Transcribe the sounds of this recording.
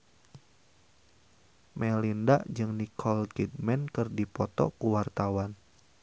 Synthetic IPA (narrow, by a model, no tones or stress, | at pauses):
mɛlindaʔd͡ʒɨŋnikʰɔlkidmɛnkɨrdipɔt̪ɔ̰kuwart̪awan